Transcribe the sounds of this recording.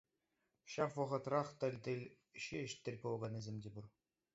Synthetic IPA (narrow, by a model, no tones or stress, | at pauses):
ɕɑfʋɤ̆ʁɤ̆t̪rɑχt̪ʲɘ̆lʲt̪ʲɘ̆lʲ | ɕɘ̆ɘ̆ʃt̪ʲːɘ̆lʲpolˠʁɑnɘ̆zʲemʲdʲebur